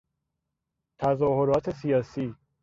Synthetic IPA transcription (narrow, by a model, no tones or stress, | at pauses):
t̪ʰæzɒːho̞ɾɒːt̪ʰe̞sijɒːsiː